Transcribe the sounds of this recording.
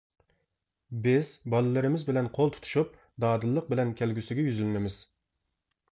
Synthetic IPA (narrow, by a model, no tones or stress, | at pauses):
bɪzbɑlˠɨlˠɨɾɪmɪzbɪlɛnqʰolˠt̪ʰu̥t̪ʰu̥ʃup̚ | d̪ɑːd̪ɨlˠːəq̚bɪlɛnkʲʰælɡʲysyɡʲɛjyzylmɪmɪz̥